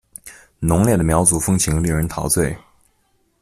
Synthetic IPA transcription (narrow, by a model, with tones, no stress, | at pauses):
nʊ˧˥ŋljɛ˥˩d̪ə˩mjɑ˧˥ʊt͡su˨˩fɤ˥ŋt͡ɕʰi˧˥ŋli˥˩ɻə˧˥nt̪ʰɑ˧˥ʊt͡swe˥˩ɪ